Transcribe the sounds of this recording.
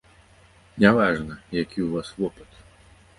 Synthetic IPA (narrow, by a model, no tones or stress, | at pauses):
nʲavaʐnɐjakʲiwvasvɔpɐt̪